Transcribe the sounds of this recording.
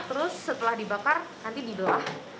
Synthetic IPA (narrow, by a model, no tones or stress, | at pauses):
t̪əɾʊsːət̪əlahdibakarnant̪idibəlah